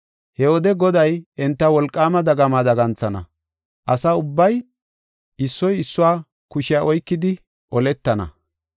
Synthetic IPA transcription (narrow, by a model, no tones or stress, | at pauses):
hɛwɔd̪ɛɡɔd̪ɐjɛnt̪ːɐwɔlkʼːaːmɐd̪ɐɡɐmaːd̪ɐɡɐnt͡sːɐnɐ̰ | ʔɐsaʊbːɐj | ʔɪsːɔjɪsːʊwaː | kʊʃɪaʔɔjkːɪd̪ɪ | ʔɔlɛt̪ːɐnɐ̰